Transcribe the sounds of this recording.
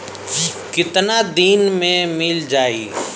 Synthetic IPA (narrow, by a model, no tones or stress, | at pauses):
kɪt̪nad̪iːnmẽmɪld͡ʒaːḭː